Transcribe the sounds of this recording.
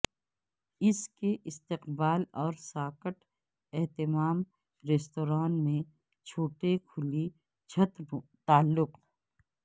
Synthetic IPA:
ɪskeʔɪst̪ɪqbaːlɔːɾsaːkəʈ | ɛɦt̪ɪmaːm | ɾeːst̪oːɾaːnmẽ | t͡ʃʰoːʈekʰʊli | t͡ʃʰɐt̪t̪aːlːʊq

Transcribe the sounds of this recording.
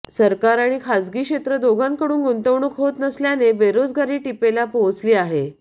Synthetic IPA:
səɾkaɾaɽ̃ikʰad͡zɡiːkʂɕet̪ɾəd̪oɡaŋkəɽuːnɡunt̪əʋɳəkɦot̪nəsljanebeɾod͡zɡaɾiːʈipelapot͡sliːaɦe

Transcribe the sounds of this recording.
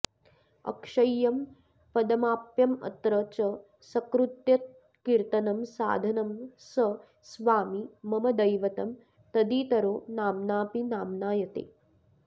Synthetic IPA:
ɐ̰kʂɐjːɐm | pɐd̪ɐmaːpjɐmɐ̰t̪ɾɐt͡ʃɐ | sɐkɾut̪jɐt̪̚ | kiɾt̪ɐnɐmsa̰ːd̪ʱɐnɐmsɐ | sʋaːmimɐmɐd̪ɐjʋɐt̪ɐm | t̪ɐd̪iːt̪ɐɾoːnaːmnaːpinaːmnaːjɐt̪ḛː

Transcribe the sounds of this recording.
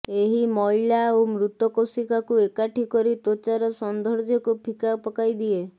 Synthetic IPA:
eɦimɔɦilaomɾut̪ɔkosikakuekaʈʰikɔɾit̪ot͡ʃaɾɔsɔnd̪ʱɔɾd͡ʒɔkupʰikapɔkajd̪ie

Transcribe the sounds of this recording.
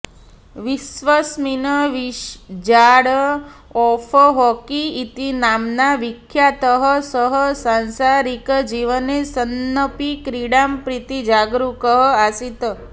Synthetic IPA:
ʋisʋəsminəʋiʃd͡ʒaɽəɔfʰəɦɔkiːt̪inamnaʋikʰːjat̪əɦəsəɦəsãnsaɾikd͡ʒiʋənesənːəpikɾiɽampɾit̪id͡ʒaɡɾukəɦəasit̪ə

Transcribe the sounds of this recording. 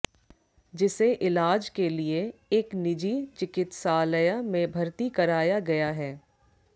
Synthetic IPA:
d͡ʒɪseʔɪlaːd͡ʒkelieeːknɪd͡ʒit͡ʃɪkɪt̪saːləjamẽbʱɐɾt̪ikɐɾaːjaɡɐjaɦɛː

